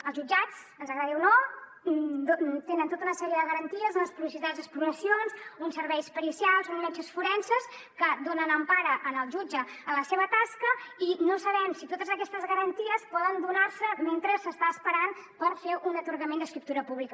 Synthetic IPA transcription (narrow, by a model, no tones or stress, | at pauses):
əlˠzʒud͡ʒat͡s | ənzəɣɾaðiwno | d̪ot̪enənt̪ot̪əunəsɛɾiəðəɣəɾənt̪iəzənləspuβis̬it̪azd̪əspuɾuməsijonsunsəɾβɛjspəɾisjalˠzunmɛt͡ʃəsfuɾɛnsəs | kəd̪onənəmpaɾəʔənəlˠʒud͡ʒəːləseβət̪askəinosəβɛmsit̪ot̪əzəkɛst̪əzɣəɾənt̪iəspɔðənd̪unaɾsəment̪ɾəsəst̪aəspəɾanpəɾfeʔunət̪uɾɣəmend̪əskɾip̚t̪uɾəpuβlikə